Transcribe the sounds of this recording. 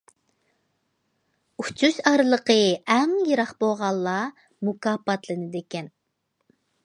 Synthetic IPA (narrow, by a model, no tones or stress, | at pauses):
ut͡ʃʰyʃɑɾɨlˠəqəɛŋjeɾɑχboʁɑlˠːɑ | mukɑːpɑt̪lˠɨnɨd̪ekʲɛn